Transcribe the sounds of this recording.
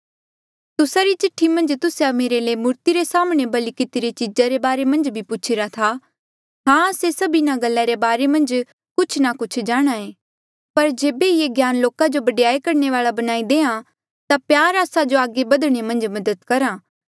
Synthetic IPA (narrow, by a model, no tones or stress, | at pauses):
t̪ʊsaɾit͡ʃɪʈʰːimɐ̃nd͡ʒt̪ʊsameːɾeleːmʊɾt̪iɾesaːmɽ̃ebɐlikɪt̪iɾet͡ʃɪd͡ʒaɾebaːɾemɐ̃nd͡ʒbʱipʊt͡ʃʰiɾat̪ʰa | ɦãːəsesɐbinaɡɐlːaɾebaːɾemɐ̃nd͡ʒ | kʊt͡ʃʰnakʊt͡ʃʰd͡ʒaːɽ̃aẽː | pɐɾd͡ʒeːbeieɡjaːnloːkad͡ʒobɐɖjaːekɐɾneʋaːɭabɐnaːid̪eːã | t̪apjaːɾaːsad͡ʒoaːɡebɐd̪ɽ̃emɐ̃nd͡ʒmɐd̪əd̪kɐɾãː